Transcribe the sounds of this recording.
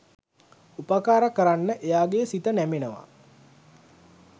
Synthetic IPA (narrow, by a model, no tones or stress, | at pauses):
upəkaːɾəkəɾanːəʔejaːɡeːsit̪ənæmenəʋa̰